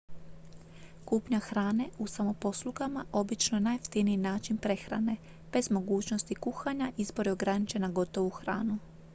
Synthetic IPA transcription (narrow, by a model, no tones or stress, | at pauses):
kuːpɲaxɾaːne̞usamo̞po̞slˠuɡamaʔo̞bit͡ʃnoenajft̪iniinaːt͡ʃinpɾe̞xɾa̰ne̞ | b̥e̞zmo̞ɡuːt͡ɕno̞st̪ikuxaɲaʔizbo̞ɾio̞ɡɾanit͡ʃe̞naɡo̞t̪o̞ʋuxɾa̰ːnu